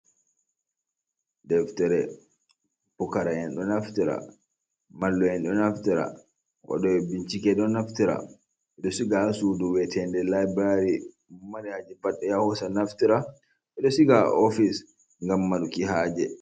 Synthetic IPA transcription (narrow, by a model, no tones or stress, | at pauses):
dɛftɛɾɛ | pukaɾajɛnɗɔnaftiɾa̰ | malːɔjɛnɗɔnaftiɾa̰ | wa̰ɗɔɛbiɲt͡ʃikɛɗɔnaftiɾa̰ | ɛɗɔsiɡasuduwɛtʰɛndɛlajbaɾi | maɗɛhad͡ʒɛbaɗːɛjahusanaftiɾa | ɛɗɔsiɡaɔfis | ŋɡamːaɗukihaːd͡ʒɛ